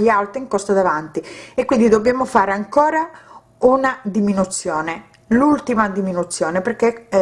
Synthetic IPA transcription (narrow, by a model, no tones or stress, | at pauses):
ʎːialt̪ɾiŋkɔst̪ad̪avant̪iekːwind̪id̪objaːmofaːɾeaŋkɔːɾa | unad̪iminut̪sːjɔːne | lult̪imad̪iminut̪sːjɔːneperkːe